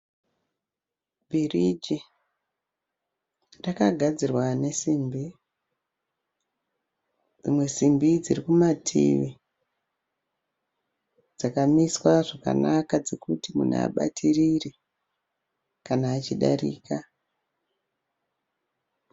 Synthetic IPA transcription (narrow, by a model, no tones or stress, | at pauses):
bʱirid͡ʒi | rakaɡʱad͡zirwane̞simbi | d͡zimwe̞simbid͡zirikumatʰḭʋi | d͡zakamiswaʐaka̰nakad͡zekutimṵn̰a̰ɓa̰tʰiriri | kanaːt͡ʃiɗa̰rḭːka